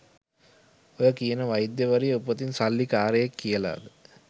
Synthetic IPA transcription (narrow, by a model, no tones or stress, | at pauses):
ojəkijənəʋajid̪jəʋəɾijeupːət̪insalːikaːɾəjakːijəla̰ːd̪ə